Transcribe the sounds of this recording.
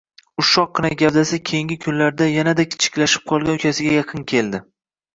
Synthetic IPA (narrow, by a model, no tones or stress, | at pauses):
ʊʃɒqːɨnaɡʲavd̪asakʲʰejɪŋɡʲɪkʲʰʊnlaɾd̪ajanad̪akʲʰɪ̥t͡ʃʰɪ̥kʲlaʃɪ̥p̚qʰɒlˠɡʲanʊkʲʰasɪɡʲajɑqʰɨnkʲʰe̞ld̪ɪ